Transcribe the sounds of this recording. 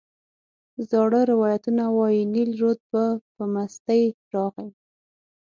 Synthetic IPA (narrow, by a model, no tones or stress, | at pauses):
zɑɽəɾɪwɑjat̪unawɑjinilɾod̪̚bapəmast̪əjɾɑɣaw